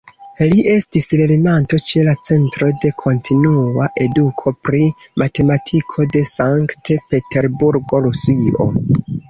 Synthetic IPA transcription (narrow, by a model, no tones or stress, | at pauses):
liʔe̞stisleɾinanto̞t͡ʃe̞lat͡se̞ntɾo̞de̞kʰo̞ntʰinuaʔe̞dukʰo̞pɾimate̞matʰikʰo̞de̞saŋktepe̞te̞ɾbuɾɡo̞ɾusio̞̰